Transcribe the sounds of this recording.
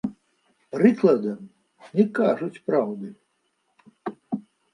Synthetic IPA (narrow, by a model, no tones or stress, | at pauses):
pɾɨklˠɐd̪ɐm | nʲɛkaʐut͡sʲpɾawd̪ɨ